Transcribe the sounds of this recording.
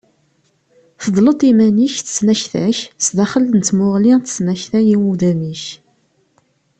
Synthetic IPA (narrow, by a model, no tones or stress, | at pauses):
θəðˤlət̪ˤimæniçθə̥snæçθæ̰çsðæχələnːmʊʁlinθsnæçθæjiwuðæmiç